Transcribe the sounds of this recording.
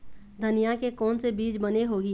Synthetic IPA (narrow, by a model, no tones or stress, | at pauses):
d̪ʱɐnijakekɔːnsebiːd͡ʒbɐneɦoːɡi